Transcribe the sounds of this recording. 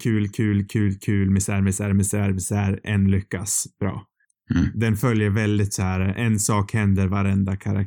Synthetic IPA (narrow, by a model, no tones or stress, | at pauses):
kʰʉ̟ːlkʰʉ̟ːlkʰʉ̟ːlkʰʉ̟ːlmɛsæɾmɛsæːɾmɛsæɾmɪsæɾʔɛnlʏkːasb̥ɾɑ̰ː | d̪ɛnfœljəɾvɛld̪ɪt̪sɔhæɾʔɛnsɑːkhɛnd̪əɾvaɾɛnd̪akʰaɾa̰k